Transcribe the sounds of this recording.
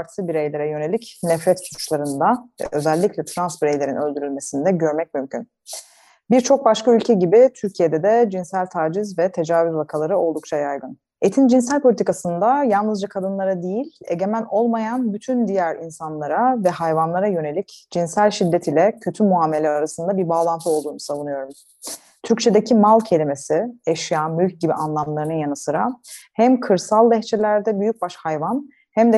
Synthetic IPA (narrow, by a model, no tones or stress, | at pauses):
aɾsɯbiɾejlʲeɾɛjø̞ne̞lʲicnɛfɾɛt̪su̥u̥t͡ʃlˠaɾɯnd̪aɛ̰ʔø̞zɛlʲːicʰʲlʲɛt̪ʰɾansbiɾejlʲe̞ɾinø̞lʲd̪yɾylʲme̞sind̪ɛɟø̞ɾmɛc̚mymcʰyn | biɾt͡ʃʰo̞k̚baʃkʰaylʲcʰɛɟibit̪ʰyɾcʰije̞d̪ɛd̪ɛd͡ʒinsælʲt̪ʰaːd͡ʒizvɛt̪ʰe̞d͡ʒaːvyzvakʰalˠaɾɯo̞lˠd̪uk̚t͡ʃʰajajɡɯn | e̞t̪ʰind͡ʒinsælʲpʰolʲit̪ikasɯnd̪ajalˠnɯzd͡ʒakʰad̪ɯnlˠaɾad̪ejilʲe̞̰ɟe̞mæno̞lˠmajanbyt̪ʰynd̪ijæɾinsanlˠaɾavɛhajvanlˠaɾajø̞ne̞lʲicd͡ʒinsælʲʃid̪ːɛt̪ʰilʲɛcʰøt̪ʰymuaːme̞lʲɛɾaɾasɯnd̪abiɾbaːlˠant̪ʰɯo̞lˠd̪uːnusavunɯjo̞ɾum | t̪ʰyɾc̚t͡ʃʰe̞d̪ecʰimalˠcʰe̞lʲime̞sieʃjaːmylʲc̚ɟibiʔanlˠamlˠaɾɯnɯjanɯsɯɾahæmkʰɯɾsalˠd̪ɛçt͡ʃʰelʲæɾd̪ɛbyjyc̚baʃhajvan | hæmd̪ɛ